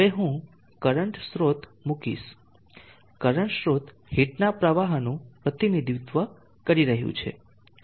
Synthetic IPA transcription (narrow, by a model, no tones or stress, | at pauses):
ʋeɦũ | kəɾəɳʈsɾot̪mukḭʃ | kəɾəɳʈsɾot̪ | hiʈnapɾəʋaɦnũpɾət̪inid̪ʱut̪ʋə | kəɾiɾəɦjṵ̃t͡ʃʰḛ